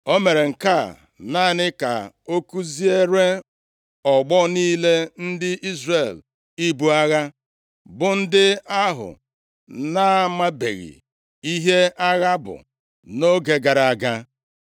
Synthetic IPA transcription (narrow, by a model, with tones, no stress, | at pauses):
o˦me˨ɾe˨ŋ̩˨ka˦˨ | na˦˨nɪ˦ka̰˨ | o˦ku˦zi˦e˦ɾe˦ | ɔ˨ɡ͡bɔ˦niː˦le˦n̩˦dɪ˦ʔi˦zre˨l | i˦bu˦a˦ɣa˦ | bʊ˨n̩˦dɪ˦a˦ɦʊ̰˨ | na˦ma˦bḛ˨ɣḭ˨ | i˦ɦe˦a˦ɣa˦bʊ̰˨ | no˦ɡe˨˦ɡa˨ɾa˨a˨ɡa˦